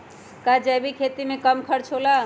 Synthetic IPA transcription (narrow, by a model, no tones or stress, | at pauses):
kad͡ʒəjbikʰet̪imẽkəmkʰəɾt͡ʃʰola